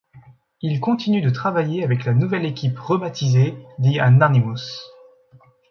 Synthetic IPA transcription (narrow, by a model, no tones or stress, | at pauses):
ilkɔ̃t̪inyd̪ət̪χavajeavɛklanuvɛlekʲipʁəbat̪ized̪ianaʁnimos